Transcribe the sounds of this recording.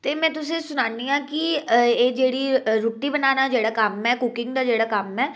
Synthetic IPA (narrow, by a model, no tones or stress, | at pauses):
t̪eːmɛ̃ːt̪ʊsẽsʊnaːniãːkieːd͡ʒeːɽiɾʊʈːibənaːnad͡ʒeːɽaːkamɛːkʊkɪ̃ŋɡd̪aːd͡ʒeːɽaːkamɛː